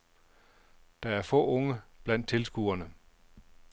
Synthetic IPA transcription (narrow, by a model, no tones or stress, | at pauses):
d̥ɑ̈æɐfɔ̰̽ːɔ̽ŋəb̥læn̰d̥̚t͡sʰe̝lsɡ̥ṵɐnə